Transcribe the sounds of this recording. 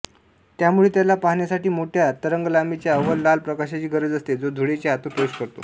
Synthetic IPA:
t̪jamuɭeːt̪jalapaɦɳjasaʈiːmoʈʰjat̪əɾəŋɡəlamit͡ɕjaəʋəllalpɾəkaɕat͡ɕiːɡəɾəd͡zəst̪ed͡zod̪ʱuɽet͡ɕeat̪upəuɕkəɾt̪o̰

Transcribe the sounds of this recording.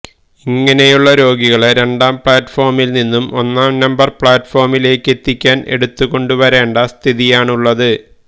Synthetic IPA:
iŋːɐne̞juɭːɐɾo̞ːɡiɣɐɭeɾe̞ɳɖaːmpɭaːtfo̞ːrmilninːumo̞nːaːmnɐmbɐrpɭaːtːfo̞ːrmile̞ːkːe̞t̪ːikʲːaːne̞̰ɽut̪ːuɣo̞ɳɖuʋɐɾe̞ːɳɖɐst̪ʰiðijaːɳuɭːɐðɨ

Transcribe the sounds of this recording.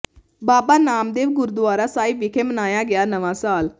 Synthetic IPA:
baːbaːnaːmd̪eːʋɡʊɾd̪ʊʋaːɾaːsaːiʋɪkʰeːmənaːjaːɡɪjaːnəʋãːsaːl

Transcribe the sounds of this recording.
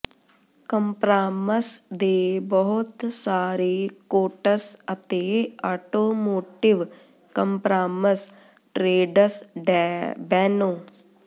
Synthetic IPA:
kɐmpɾaːmɐsd̪eːbəɦʊt̪saːɾikoːʈəsɐt̪eːaːʈoːmoːʈiʋ | kɐmpɾaːmɐs | ʈɾeːɖəsɖbɛːnoː

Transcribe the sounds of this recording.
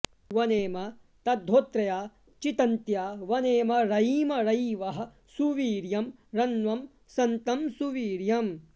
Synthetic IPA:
ʋɐneːmɐ | t̪ɐd̪ʱːoːt̪ɾɐjaː | t͡ʃit̪ɐnt̪jaːʋɐneːmɐɾɐjiːmɐɾɐjʋɐɦɐ̆ | suʋiːɾjɐmɾɐnʋɐm | sɐnt̪ɐmsuʋiːɾjɐm

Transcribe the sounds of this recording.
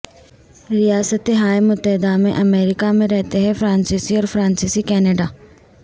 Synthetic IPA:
ɾijaːsət̪eɦaːemʊt̪ːəɦɪd̪amẽʔɐmeːɾɪkamẽɾɛɦt̪eɦɛfʰɾãːnsisiɔːɾfɾãːnsisikɛːneːɖaː

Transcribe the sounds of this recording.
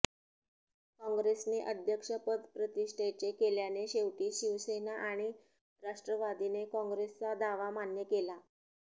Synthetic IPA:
kɔ̃ŋɡɾesneʔəd̪ʱjəkʂəpəd̪pɾət̪iʂʈʰet͡ɕekeljaneɕeʋʈiːɕiʋsenaʔaɽ̃i | ɾaʂʈɾəʋad̪inekɔ̃ŋɡɾest͡sad̪aʋamanjəkela

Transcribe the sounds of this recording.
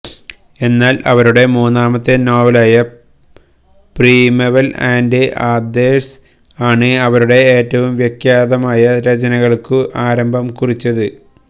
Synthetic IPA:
e̞nːaːlʔɐ̰ʋɐɾuɽe̞muːnːaːmɐt̪ːe̞noːʋɐlaːjɐ | priːmɐʋɐla̰ːnɖɨʔaːd̪eːs | aːɳɨɐʋɐɾuɽe̞eːtːɐʋumʋjekjaːðɐmaːjɐɾɐt͡ɕɐnɐɣɐɭkɨʔaːɾɐmbʱɐmkurit͡ɕːɐðɨ

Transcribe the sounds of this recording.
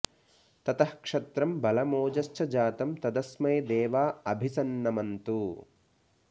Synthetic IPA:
t̪ɐt̪ɐhkʂɐt̪ɾɐmbɐlɐmoːd͡ʒɐʃt͡ʃɐd͡ʒaːt̪ɐmt̪ɐd̪ɐsmɐjd̪eːʋaːɐbʱisɐnːɐmɐnt̪u

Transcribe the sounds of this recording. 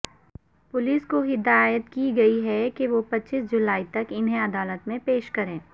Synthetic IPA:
pʊliːskoɦɪd̪aːjəd̪kiɡɐiɦɛkeʋopɐtːʃisd͡ʒʊlaːit̪ɐkɪnɦẽɐd̪aːlət̪mẽpeːʃkɐɾẽː

